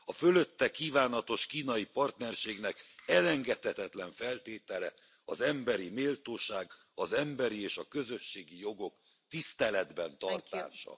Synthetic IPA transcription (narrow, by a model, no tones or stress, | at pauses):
ɒfø̞løt̪ːɛkːiːvaːnɒt̪o̞ʃkiːnɒjipɒrt̪nɛrʃeːɡn̪ɛkɛlɛŋɡɛt̪hɛt̪ɛt̪lɛɱfɛlt̪eːt̪ɛlɛ | ɒzɛmbɛɾimeːlt̪oːʃaːɡ | ɒzɛmbɛɾieːʃɒkø̞zø̞ʃːeːɡijo̞ɡo̞k | t̪ist̪ɛlɛd̪bɛnt̪ɒrt̪a̰ːʃɒ̰